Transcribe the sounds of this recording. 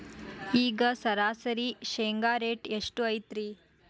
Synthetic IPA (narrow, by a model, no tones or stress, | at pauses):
iːɡəsɐɾaːsɐɾiːɕeŋɡaːɾeʈeʂʈuɐjt̪ɾiː